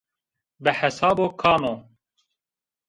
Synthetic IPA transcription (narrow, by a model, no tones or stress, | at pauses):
bɨħɛsaːboːkʰaːmoː